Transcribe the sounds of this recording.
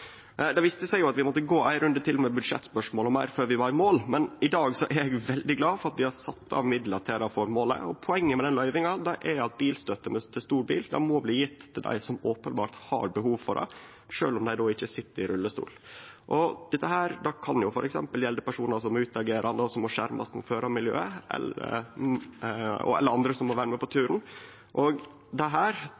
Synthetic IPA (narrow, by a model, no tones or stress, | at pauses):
d̪ɛʋiːst̪əsæɪɡjʊɑt̪ʋɪmɔt̪ːəɡoːʔæɪɾʉnd̪ət̪ʰɪlmɛbʉd̪ʂɛ̰t̪ːspœʂmoːlɔmæɪɾføːɾʋɪbɑɪmoːlmɛnɪd̪ɑːɡsɔʔæɾɛɡʋɛld̪ɪɡlɑːfɔɾɑt̪̚d̪ɪhɑɾsɑt̪ːɑ̰ʋmɪd̪ləʈ̪ʰɛɾɑfɔɾmoːlə̰ɔpʰɔɛŋːəmɛd̪ɛnlœʏʋɪŋɑd̪ɛʔæɾɑt̪̚biːlst̪œt̪ːəmɛt̪ʰɪst̪uːɾbḭːld̪æ̰mɔbliːjɪt̪ʰːɪld̪æ̰ɪsɔmoːpənbɑ̰ːɾt̪hɑ̰ɾbəɦuːʋfɔdɛ̰ɪ | ʂøːlɔmd̪æɪd̪ɔɪçːəsɪt̪ːəɾɪɾʉlːəst̪ṵːlʔɔd̪̥ɛt̪ːəɦæːɾd̪ɑkʰɑnjʊfɔɾʔɛksɛ̰mpəljɛld̪əpæʂuːnɑsɔmːɔʉːt̪ɑɡeːɾʔɑnd̪əɔsɔmːɔʂæɾmɑ̰smɔ̰føːɾɑmɪljø̰ːəʔɛ̰lə̰ | ɔ̰ɛ̰lːəɾɑnd̪ɾəsɔmːɔʋæːɾəmɛpɔt̪ʰʉːɾn̩ | ʔɔɡ | d̪ɛɦæːɾ